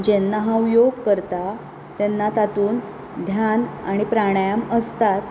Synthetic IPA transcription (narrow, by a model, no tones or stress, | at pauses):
d͡ʑenːaɦãwjoɡ̚kəɾt̪a | t̪enːat̪at̪uːn | d̪ʱjanaɽ̃ipɾaɽ̃jaməst̪at̪